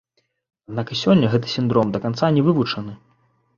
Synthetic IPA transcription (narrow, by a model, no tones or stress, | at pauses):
ad̪nakɨsʲɔnʲːɐɣɛt̪ɨ̥sʲind̪ɾɔmd̪ɐkant̪sanʲɛvɨvut͡ʂɐnɨ